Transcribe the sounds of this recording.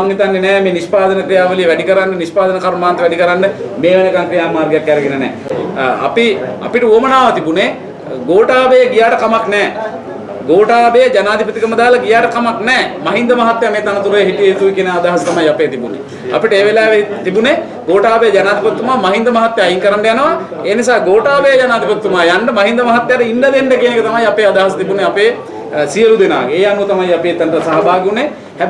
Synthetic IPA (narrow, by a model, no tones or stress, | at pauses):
ŋnit̪anːenɛːmeːnispaːd̪ənəkɾijaːʋəlijəʋæɖikɐɾaɳɖənispaːd̪ənəkaɾmmaːnt̪ɐʋɛɖikɐɾaɳɖəmeːʋɐnəkaŋkɾijaːmaːɾɡejakːæɾeɡenənɛ̰ːɐ̰piɐ̰piʈəuomənaːʋat̪ibune | ɡoːʈaːbejəɡijaːʈɐkamaknɛː | ɡoːʈaːbejd͡ʒɐnaːd̪ʱipɐt̪ikəmɐd̪aːlɐɡijaːʈɐkamaknɛːmɐɦind̪ɐmɐɦɐt̪ːjameːt̪anɐt̪uɾɐjɦiʈijəɦit̪uʋikenead̪aːɦɐsɐ̥t̪ɐmajɐpeːt̪ibunḛ | ɐ̰piʈəeːʋelaːʋet̪ibune | ɡoːʈaːbejd͡ʒɐnaːd̪ʱipɐt̪ːumaːmɐɦind̪ɐmɐɦat̪ːjaːjiŋkɐɾaɳɖɐjanəʋa | eːnisaːɡoːʈaːbejɐd͡ʒanaːd̪ʱipɐt̪ːumaːjaɳɖəmɐɦind̪ɐmɐɦɐt̪ːjaːɾəiɳɖɐd̪eɳɖɐkijenekət̪ɐmajɐpeːad̪aːɦɐsɐt̪ibuneapeː | sijelud̪ena̰ːɡeeːɐnuɐt̪ɐmajɐpet̪ɐɳʈɐsaɦɐbaːɡunːe | hɛ